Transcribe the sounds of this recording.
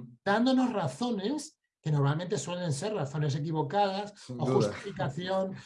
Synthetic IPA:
d̪and̪o̞no̞zraθo̞ne̞s | ke̞no̞ɾmalment̪e̞swe̞le̞nse̞ɾraθo̞ne̞s̬e̞k̬iβ̞o̞kað̞asoxust̪ifikaθjo̞n

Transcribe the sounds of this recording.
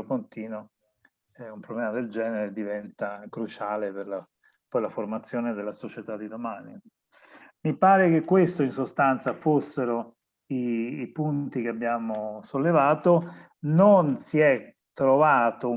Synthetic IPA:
opont̪iːno | ɛumpɾoblɛːmad̪eld͡ʒɛːneɾed̪ivɛnt̪akɾut͡ʃaːleperla | pɔjlaformat̪sːjoːned̪elːasot͡ʃet̪ad̪ːid̪omani | mipaːɾek̟ekːwest̪oinsost̪ant̪safosːeɾo | iːpunt̪ikeabːjaːmosolːevaːt̪o | nonsiɛt̪ːɾovaːt̪o

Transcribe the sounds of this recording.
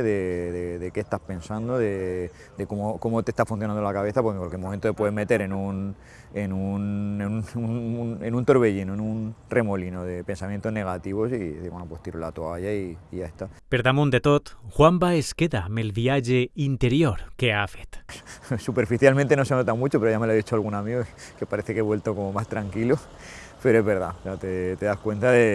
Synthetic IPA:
ðe̞ðeðekest̪aspe̞nsand̪oðe̞ | d̪e̞komoko̞mot̪e̞st̪afun̟θjonãnd̪olakaβ̞e̞θapokeŋkwalkjemomẽnt̪oðe̞pwe̞ðeme̞t̪e̞ɾe̞nun | enuneuunnenũnt̪o̞ɾβe̞ʝinoenunremo̞lino̞ðe̞pe̞nsamjẽnt̪ozne̞ɣ̞at̪iβo̞siḛiɾβwenopwe̞st̪iɾolat̪oaʝaiːʝaest̪apeɾðamond̪e̞t̪o̞t̪xwambaeskeðamelβiaʒeint̪eɾjoɾke̞afet̪supe̞ɾfiθjalmẽnt̪eno̞se̞not̪amut͡ʃo̞peoʝamelaðit͡ʃoalɣunamio | ke̞paɾe̞θekeβwe̞lt̪o̞komomast̪ɾaŋkilo | pe̞ɾoeβe̞ɾða̰oseat̪et̪e̞ðaskwẽ̞nt̪aðe̞

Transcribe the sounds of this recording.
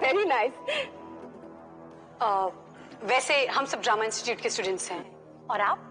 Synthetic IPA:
ʋɛɾinaɪs | ə | ʋɛːseɦɐmsɐb̚ɖɾaːmaɪ̃nsʈɪ̥ʈjuːʈkesʈuːɖə̃ɳʈsɦɛ̃ | ɔːɾaːp̚

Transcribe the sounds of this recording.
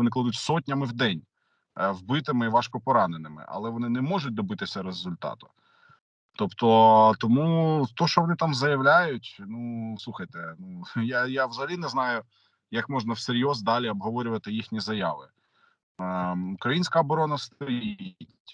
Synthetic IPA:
ɔnɪklˠɐd̪utʲsɔt̚ʲnʲɐmɪwd̪ɛnʲ | wbɪt̪ɪmɪiʋɑʃkɔpɔɾɑnenɪmɪ̰ʔɐ̰lˠɛʋɔnɪnɛmɔʒʊt̚ʲd̪ɔbɪt̪ɪsʲɐɾezʊlʲt̪ɑ̰t̪ʊ̥ | t̪ɔpt̪ɔt̪ɔmut̪ɔʃt͡ʃɔʋɔnɪt̪ɑmzɐjɐʋlʲajʊtʲnuslˠuxɐjt̪ɛnujajawzɐɦɐlʲinɛznɑjʊ | jɐkmɔʒnɐwseɾʲjɔzd̪ɑlʲiɔbɦɔʋɔɾʲʊʋɐt̪ɪjixnʲizɐjɑ̰ʋɪ | ʊkɾɐjinʲsʲkɐɔbɔɾɔnɐst̪ɔjiitʲ

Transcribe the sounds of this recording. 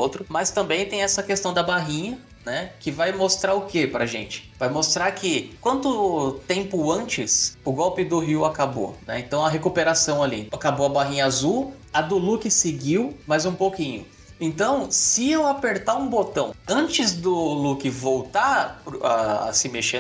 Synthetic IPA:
ot̪ɾʊmɐst̪ɐ̃mbẽj̃t̪ẽj̃ɛsɐkest̪ɐ̃w̃d̪ɐbaɦĩɲɐ | nɛkɪvajmost̪ɾaɾʊkepɾɐʒḛ̃nt͡ʃɪ̥vajmost̪ɾaɾkʰɪkwɐ̃nt̪ʊt̪ẽmpʊɐ̃nt͡ʃɪsʊɡɔwpɪd̪ʊɦiwakabo̰nɛ̰ẽt̪ɐ̃w̃ɐɦekupeɾasɐ̃w̃alḭakaboɐbaɦĩɲɐazuw | ad̪ʊlukɪsɪɡiwmɐjzũpokĩɲʊ | ẽnt̪ɐ̃w̃sɪewapeɾt̪aɾũbot̪ɐ̃w̃ɐ̃t͡ʃɪzd̪ʊlukɪvowt̪apɾa̰a̰sɪmeʃẽ

